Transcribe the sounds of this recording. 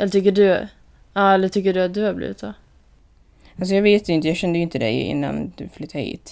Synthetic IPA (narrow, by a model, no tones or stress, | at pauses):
ʔɛlːəʈ̪ʰʏkːəɖʉ | ɑɛlːət̪ʰʏkːəɖɵat̪̚d̪ɵhaɾblḭːvɪt̪sɔː | als̬ɔjɑːɡveːt̪jɪnt̪əjɑːɡɕɛnd̪əjʏɪnt̪əd̪ɛ̰jɪ̰nːa̰nd̪̥ɵflyt̪ʰːaɾhḭːt̪